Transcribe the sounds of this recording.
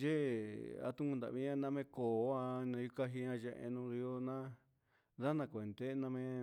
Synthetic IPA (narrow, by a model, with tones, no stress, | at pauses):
ʒe˦˨a̰˧t̪ũ˦kũ˧nd̪a̰˨βĩ˦ã˦˧nã˧˦mẽ˦ko˨˦a˧nã˧ju˦ka˦ɦi˧ɲã˧ʒe˧ʔḛ˧nũ˧ɾi˧o˧nã˦ | ða˦nã˧kʷe˨nd̪e˦nã˧mẽ˦˧